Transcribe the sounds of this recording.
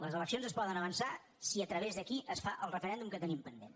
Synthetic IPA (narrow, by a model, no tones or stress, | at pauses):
ləzələksjonzəspɔðənəβənsa | siət̪ɾəβezðəkiʔəsfaʔəlˠrəfəɾɛnd̪umkət̪ənimpənd̪e